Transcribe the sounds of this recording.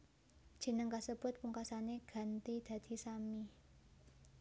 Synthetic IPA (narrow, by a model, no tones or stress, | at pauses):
d̥ʒ̥i̤nəŋkasəb̥ʊt̪̚puŋkasaneɡ̥ä̤nt̪id̪̥a̤d̪̥i̤sami